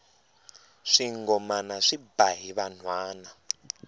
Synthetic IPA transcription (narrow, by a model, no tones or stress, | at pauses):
ʂiŋɡɔmanaʂibaɦiβan̤waːna